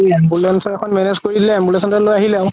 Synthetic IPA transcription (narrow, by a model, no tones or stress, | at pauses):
bulɛnsɔɛkʰɔnmɛnezkoɹidilɛmbulɛsɔntalojaɦilɛʊ